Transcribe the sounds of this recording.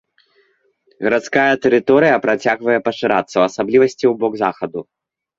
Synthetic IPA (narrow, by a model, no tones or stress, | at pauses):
ɣɐɾat̪skajɐt̪ɛɾɨt̪ɔɾɨjɐpɾat͡sʲaɣvɐjɛpɐʂɨɾa̰t̪sːɐwɐsablʲivɐsʲt͡sʲiwbɔɡzaxɐd̪u